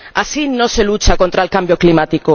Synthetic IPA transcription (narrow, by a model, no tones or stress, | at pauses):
asinoselut͡ʃakont̪ɾaelkambjoklimat̪iko